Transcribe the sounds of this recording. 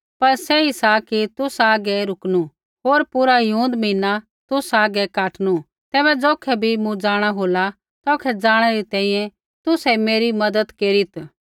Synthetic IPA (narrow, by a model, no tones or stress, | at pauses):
pɐɾsɛisakit̪ʊsaːɡɛɾʊknu | ɦoːɾpʊɾajũːnd̪mĩːna | t̪ʊsaːɡɛkaːʈñu | t̪ɛːbɛd͡zoːkʰɛbʱimũd͡zaːɽ̃aɦoːla | t̪ɔːkʰɛd͡zaːɽ̃ɛɾit̪ɛ̃ːĩjɛ̃ | t̪ʊsɛmeːɾimɐd̪əd̪keːɾit̪